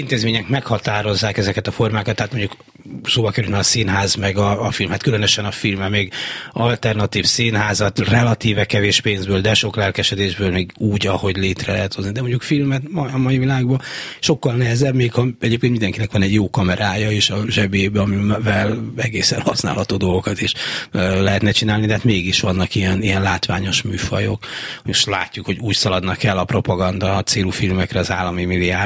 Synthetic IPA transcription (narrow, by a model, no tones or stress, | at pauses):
int̪eːzmeːɲɛkmɛkhɒt̪aːɾo̞zːaːkɛzɛkɛt̪ɒfo̞rmaːkɒt̪ːɛɦat̪moɲɟuk | soːbɒkɛɾylt̪nɛɒsinɦaːzmɛɡɒːfilmhaːt̪kylønøʃɛnɒfilmɛmeːɡɒlt̪ɛrnɒt̪iːfsiːnɦaːzɒt̪rɛlɒt̪iːvɛkːɛveːʃpeːnzbøːld̪ɛʃo̞klɛlkɛʃɛd̪eːʒbøːlmeːɡuːɟɒho̞ɟleːt̪rɛlɛɦɛt̪ho̞znid̪ɛmo̞ɲɟukfilmɛt̪mɒmɒivilaːɡbɒʃo̞kːɒlnɛɦɛzɛbmeːkhɒɛɟeːpkenind̪ɛŋkinɛkʋɒnɛɟjoːkɒmɛɾaːjɒeːʃɒʒɛbeːbɛɒmivɛlɛɡeːsɛ̰nhɒsna̰ːlhɒt̪oːd̪o̞lɡo̞kɒt̪iʃlɛɦɛt̪nɛt͡ʃinaːlnid̪ɛɦaːt̪meːɡiʃʋɒnːɒkijɛnijɛnlaːt̪ʋa̰ːɲo̞ʃmyːfɒ̰jo̞̰kooʃla̰ːcːukho̞ɟuːcsɒlɒd̪nɒkɛlːɒpro̞pɒɡɒnd̪ɒt̪seːlufilmɛkrɛɒzaːlːɒmimiliaːr